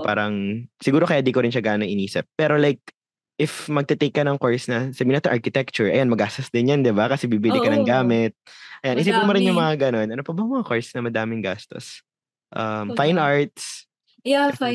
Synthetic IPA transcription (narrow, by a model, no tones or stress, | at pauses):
pa̰ːɾɐŋsɪɡuːɾo̞kɐjad̪iːkoɾɪnʃɐɡaːnnɐŋʔɪniːsɪp̚ːɛːɾo̞lajk̚ | ʔɪfmɐɡ̚t̪ɛt̪ejkːɐnɐŋkoɹsnɐsɐbiːnɐt̪ɐʔaɹkɪt̪ɛk̚t͡ʃʊɹʔɐ̰janmɐɡaːst̪ɐsd̪ɪnjɐnd̪ɪbakɐsɛbibɪlɪkɐnɐŋɡaːmɪt̪̚ʔɐjanʔɪsipɐmʊɾɪnjʊŋmɐŋaɡɐno̞nʔɐnopɐbɐŋmɐŋakoɹsnɐmɐd̪aːmɪŋɡaːst̪o̞̰s | ʔɐmfajnʔaɹt̪̚s